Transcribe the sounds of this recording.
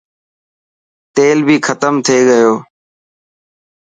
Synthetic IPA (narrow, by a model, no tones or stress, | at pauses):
t̪eːlbʱiːxʰət̪əmt̪ʰeːɠəjoː